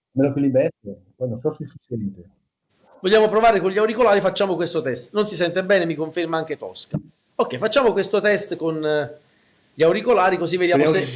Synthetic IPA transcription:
melokwilibɛso | pɔjnõnsɔsisuseɾiːt̪e | voʎːaːmopɾovaːɾekoɲʎiawɾikolaːɾifat͡ʃːaːmokwest̪ot̪ɛst̪nonsisɛnt̪ebɛːnemikoɱfermaaŋk̟et̪ɔ̰ska | okːɛjfat͡ʃːaːmokwest̪ot̪ɛst̪kon | ʎiawɾikolaːɾikozivːed̪jamoe

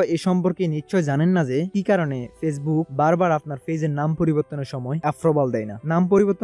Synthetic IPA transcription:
eʃɔmpoɾkenitːɕɔed͡ʑanenːad͡ʑekikaɾonefes̬buk̚baɾbaɾapnaɾfezeɾnampoɾiboɾt̪ːoneɾʃɔmɔeɛfɾobald̪ɛjnanamp̬oɾiboɾt̪ːo

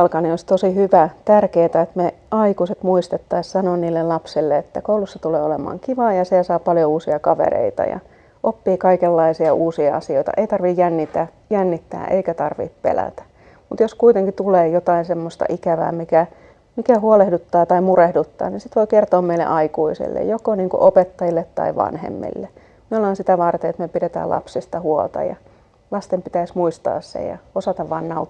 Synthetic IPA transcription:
lkɑniolist̪osihyʋæt̪ærkeːt̪æet̪meɑikuset̪muist̪et̪ːɑissɑnoːnniːlːellɑpsilːeet̪ːækoulusːɑt̪uleːolemɑ̰ːŋkiʋɑːjɑsiæsɑːpɑljouːsiɑkɑʋḛɾḛit̪ɑ̰jɑ̰ | ʔopːiːkɑikelːɑisiɑʔuːsiɑɑsioit̪ɑ̰ʔeit̪ɑrʋijjænːit̪æ | jænːit̪ːæ̰ːʔeikæt̪ɑrʋḭːppḛlæ̰t̪æ̥ | mut̪joskuit̪eŋkit̪uleːjot̪ɑinsemːost̪ɑ̰ʔikæʋæ̰ːmikæ | mikæhuolehdut̪ːɑːt̪ɑimurehdut̪ːɑ̰ːninsit̪ʋoikert̪oːmmeilːḛʔɑikuisḭlːḛjjokoniːŋkṵʔopet̪ːɑjilːet̪ːɑ̰iʋɑ̰nhḛmːḭlːe | molɑːnsit̪æʋɑrt̪eːet̪mepiɾet̪æ̰ːlɑ̰psist̪ɑhuolt̪ɑ̰jɑ̰ | lɑst̪empit̪æismuist̪ɑ̰ːssḛjɑ̰osɑt̪ɑʋʋɑːnːɑu

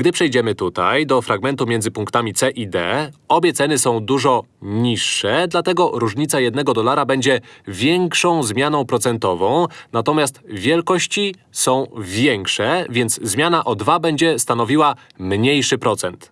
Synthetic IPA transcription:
ɡd̪ɘpʂɛjd͡ʑɛmɘt̪ut̪a̰jd̪ɔfɾʔaɡmɛnt̪umʲjɛnd̪zɘpuŋkt̪amʲit̪sɛʔid̪ɛ̰ɔbʲjɛt̪sɛnɘsɔ̃w̃d̪uʐɔ | ɲiʂːɛd̪lat̪ɛɡɔɾuʐɲit̪sajɛd̪nɛɡɔd̪ɔlaɾabɛɲd͡ʑɛvʲjɛŋkʂɔ̃w̃zmʲjanɔ̃w̃pɾɔt̪sɛnt̪ɔvɔ̃w̃nat̪ɔmʲast̪vʲjɛlkɔɕt͡ɕisɔ̃w̃vʲjɛŋkʂɛvʲjɛnd̪zzmʲjanaʔɔd̪vabɛɲd͡ʑɛst̪anɔvʲiwa | mɲejʂɘpɾɔt̪sɛnt̪

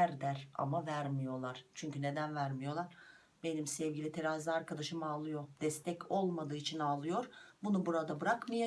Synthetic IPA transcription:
æɾd̪æɾa̰mavæɾmijo̞lˠaɾ̥t͡ʃʰyɲcyne̞d̪ænvæɾmijo̞lˠaɾ̥ | be̞nimsɛvɟilʲit̪ʰe̞ɾaːzʲiaɾkad̪aʃɯmɯalˠɯjo̞d̪ɛst̪ʰɛco̞lˠmad̪ɯːit͡ʃʰinalˠɯjo̞ɾbunubuɾad̪abɯɾakmaja

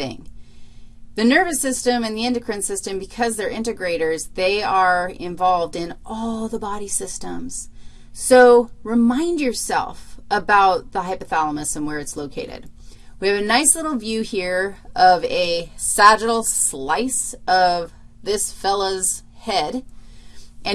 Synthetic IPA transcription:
ɪ̰̃ŋ | ðɨnɜ˞vɨsɪstɨ̃mɨ̃nðiɪ̃ndɨkʰɹ̥ɨ̃ntsɪstɨ̃mbɨkʰʌzðə˞ʔɪ̃ntɨɡɹeɪɾə˞zðeɪə˞ɪ̰̃ɱvɑlˠvdɪ̃nʔɔlˠðəbɑɾisɪstə̃mz̥ | soʊɹɨmãɪ̃ndjə˞sɛ̰lˠfəbaʊt̪̚ðəɦaɪpɨθɑlˠəmɨsʌ̃mwə˞ɨtsloʊkʰeɪɾɨ̰d̥̚wiɨvɨnaɪslɪɾl̩ˠvjʉhiɹʔʌvɨsæd͡ʒɨɾl̩ˠslaɪsʌv | ðɪsfɛlˠoʊz̥ | hɛd | ʔɨ̃

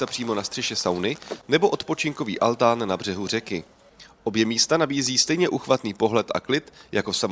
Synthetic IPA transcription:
t̪apr̥iːmo̞nast̪r̥ɛʃɛsawnɪnɛbo̞ʔo̞t̪pot͡ʃɪŋko̞vḭːʔalt̪aːnːabr̝ɛɦur̝ɛkɪ | ʔo̞bjɛmiːst̪anabiːziːst̪ɛjɲɛʔuxvat̪niːpo̞ɦlɛt̪ʔa̰klɪt̪jakosam

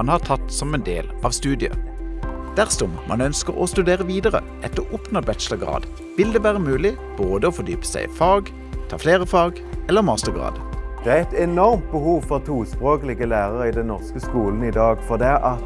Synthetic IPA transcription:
nhɑʁt̪ʰɑt̪sɔmɛnd̪ḛːlɑːʋst̪ʉːd̪ɪə̰ | d̪̥æʁsɔmmʔɑ̰nœnskəʁɔst̪ʉd̪eːʁəʋiːd̪əʁə̰ | ʔɛt̪əʔʊpnəbɛt̪ʃləʁɡʁɑ̰ːd̪ | ʋɪld̪eːʋæːʁəmʉːlɪ | b̥oːd̪əoːfɔd̪yːpə̥sæɪfɑːɡ | t̪ʰɑːfleːʁəfɑːɡ | ɛlːəmɑːst̪əʁɡʁɑ̰ːd̪d̪̥ɛæɛɪt̪ɛnɔʁmt̪̚bəhuːʋfɔʁt̪ʰuːspʁoːkəlɪɡəlæːʁəʁəiːd̪ɛnnɔʁskəskuːln̩id̪ɑːɡfɔʁd̪ɛæʔɑt̪

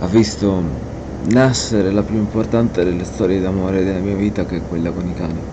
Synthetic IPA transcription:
avːist̪o | nasːeɾelapjuimport̪ant̪ed̪elːest̪ɔːɾjed̪amoːɾed̪elːamiːaviːt̪akeɛkwelːakonikaːni

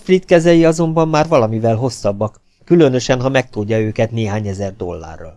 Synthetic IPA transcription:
frit̪kɛzɛjiɒzo̞mbɒmːaːrvɒlɒmivɛlɦo̞sːɒbːɒkː | ylø̞nø̞ʃɛnɦɒmɛk̚t̪uɟːɒøːkɛt̪neːɦaːɲɛzɛrd̪o̞̰lːa̰ːrːɒ̰l

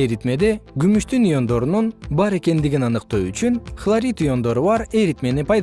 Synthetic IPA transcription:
eɾit̪me̞d̪e̞ɡymyʃt̪ynijo̞nd̪o̞ɾununbɑɾe̞ke̞nd̪iɡinɑnɯqt̪oyt͡ʃynχlˠaɾʲit̪ujo̞nd̪o̞ɾuβɑɾe̞ɾit̪me̞nipɑjd̪

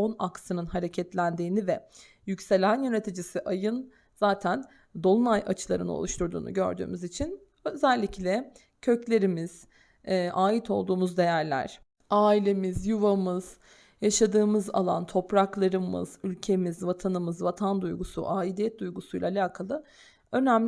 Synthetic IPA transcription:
o̞naksɯnɯnɦaɾe̞cʰɛt̪lʲænd̪iːnivɛ | jycse̞lʲænjøne̞t̪ʰid͡ʒisiʔajɯn | zaːt̪ʰæn | d̪o̞lˠunajʔat͡ʃʰɯlˠa̰ɾɯno̞̰lˠuʃt̪ʰuɾd̪ṵːnṵɟø̞̰ɾd̪y̰ːmyzit͡ʃʰin | ø̞zælʲːiclʲɛ | cʰø̞clʲe̞ɾimiz̥ː | aːjit̪ʰo̞lˠd̪uːmuzd̪e̞jæɾlʲæ̰ɾ̥ | aːilʲe̞mizjuvamɯz̥ | jaʃad̪ɯːmɯza̰lˠa̰nt̪ʰo̞pɾaklˠaɾɯmɯ̰z̥ylʲcʰe̞mizvat̪ʰanɯmɯzvat̪ʰand̪ujɡusṵʔaːilʲijɛt̪̚d̪ujɡusujlʲˠaːlʲaːkʰalˠɯ | ø̞næmlʲ

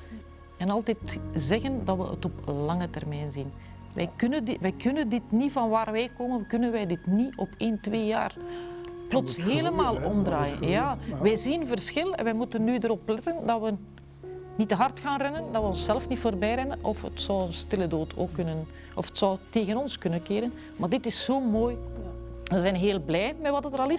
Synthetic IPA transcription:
ɛnɑlˠtɛtzɛɣəndɑtʋə̰ə̰tɔplɑŋətɛrmɛjnzin | ʋʔɛ̰jkɵnəndʋɛjkʰɵnəndɪtnivɑnʋaːrʋɛjkoːmənkɵnənʋɛjdɪtniɔpeːntʋeːja̰ːrplɔtsɦeːləmaːlˠɔmdraːjə̰njaːʋɛjzinvərsxɪlˠɛ̰nʋɛmutənːyːdəɾɔplɛtəndɑʋə | nitəɦɑrtxaːnrɛnəndɑʋəɔnsɛləfnitfoːrbɛjɾɛnənʔɔfə̰tsɔwənstɪlədoːtʰo̰ːkːɵnən | ʔɔfə̥tsɔwteːɣənɔnskɵnənkeːɾən | maːrdɪtɪsːoːmoːj | ʋəzɛnɦeːlˠblɛjmɛʋɑtdətəɾɑlɪs

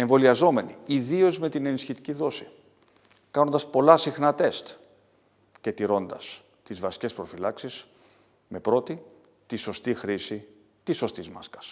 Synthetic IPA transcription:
e̞ɱvo̞liɐzo̞me̞niiðio̞zme̞t̪ine̞nisçit̪i̥ciðo̞si | kɐno̞nd̪ɐspo̞lɐsixnɐt̪e̞st̪ | ce̞t̪iɾo̞nd̪ɐs | t̪izvɐsi̥ce̞spɾo̞filɐksis | me̞pɾo̞t̪i | t̪iso̞st̪ixɾisi | t̪iso̞st̪izmɐskɐ̥s

